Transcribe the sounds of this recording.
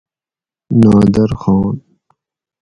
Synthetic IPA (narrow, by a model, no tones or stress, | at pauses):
nɑːd̪ɐɾxɑːn